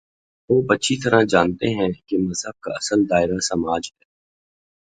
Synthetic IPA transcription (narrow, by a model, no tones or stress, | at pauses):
ʋoːbɐtːʃʰit̪ɐɾãd͡ʒãːnt̪eɦɛ̃kemɐzɦəb̚kaɐsəld̪aːɪɾasɐmaːd͡ʒɦɛː